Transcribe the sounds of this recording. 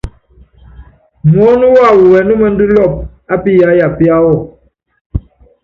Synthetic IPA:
mɔ˦nu˦wa˦˨wu˨wɛ˨nu˦mɛ˦n̩˦du˦lɔ˦˨p̚ | a˦pi˦ja˦ja˨pi˦a˦wɔ˦˨

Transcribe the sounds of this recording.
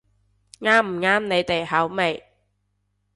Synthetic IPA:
ŋaː˥m̩˨˩ŋaː˥mne˨˧jt̪e˨jhɐ˨˥wme˨j

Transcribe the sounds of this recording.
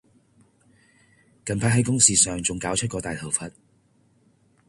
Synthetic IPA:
kɐ˨npʰaː˧t̚ɦɐ˨˥jkʊ˥ŋsiː˨sœː˨ŋt͡sʊ˨ŋkaː˨˥wt͡ʃʰɵ˥t̚kɔː˧t̪aː˨jt̪ʰɐ˨wfɐ˨t̚

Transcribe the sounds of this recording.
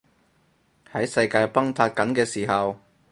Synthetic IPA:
hɐ˨˥jsɐ˧jkaː˧jpɐ˥ŋt̪ʰaː˧t̚kɐ˨˥nkɛː˧siː˨˩hɐ˨w

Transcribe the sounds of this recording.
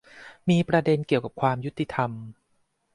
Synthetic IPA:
miː˧pɾa˧de˧nki˨˩əwka˨˩p̚kʰwaː˧mju˦˥t̪ːi˧˩t̪ʰa˧m

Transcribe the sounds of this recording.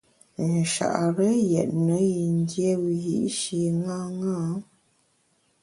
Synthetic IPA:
n̩˨ʃa̰˨ʔɾə˦jɛ̰˨ʔt̚nə˨˦ji˨n˦dje˦wi˨jḭ˦ʔʃi˨ŋa˦ŋaː˦

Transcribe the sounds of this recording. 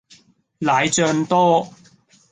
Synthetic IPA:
laː˨˧jt͡ʃœː˧ŋt̪ɔː˥

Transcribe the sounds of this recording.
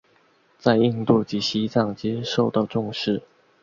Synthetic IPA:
t͡sa˥˧ɪi˥˧ŋt̪u˥˩t͡ɕi˨˥ɕi˥t͡sɑ˥˩ŋt͡ɕɛ˥ʂo˥˩ʊt̪ɑ˥˧ʊʈ͡ʂʊ˥˧ŋʂɻ̩˥˩

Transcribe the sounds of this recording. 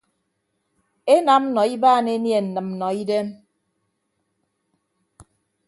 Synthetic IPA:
e˦na˨m̩˦nɔ˨i˦baː˦˨ne˦nje˨n̩˨nɨ˨m̩˦nɔ˨i˦de˦m

